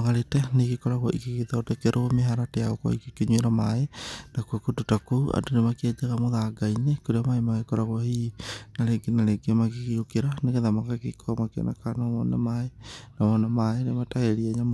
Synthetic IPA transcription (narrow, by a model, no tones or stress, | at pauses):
maɣaɾetɛneɣikɔɾaɣwaʔikekiðɔːdɛkɛɾʔomeɦaɾatejaɣɔkwa̰ikekeɲweɾamaenakwakototakouʔa̰ndonemaked͡ʒeɣamoðaɡainekoɾeamaemaɣekɔɾaɣwahinaɾeɡenaɾeɡemaɣiɣiokeɾaneɣeðamaɣakekʰomakḛna̰kanɔmɔnɛmaenamɔnɛmaenemataeɾiɛɲa